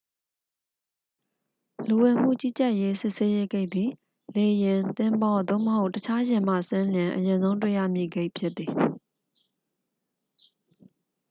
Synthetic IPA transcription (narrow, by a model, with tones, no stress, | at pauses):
lu˨wɛ˨m̥ṵ˦˨t͡ɕi˦˨t͡ɕa˦˨ʔje˦sɪ˦ʔse˦je˦ɡe˦ɪʔt̪i˨ | le˨jɪ̃˨t̪ɪ̃˨mbɔ˨d̪o̰˦˨məho˦ʊtːət͡ɕʰa˦jɪ̃˨m̥a̰˦˨sɪ̃˦ljɪ̃˨ʔəjɪ̃˨nzõ˦ʊ̃nt̬wḛ˦˨jä̰˦˨mjḭ˦˨ɡe˦ɪʔpʰjɪ˦t̪̚i˨